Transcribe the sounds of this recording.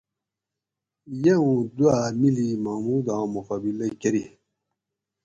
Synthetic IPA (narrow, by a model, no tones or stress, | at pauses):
jeũd̪uamilimamud̪ãmuqabilɐkeɾi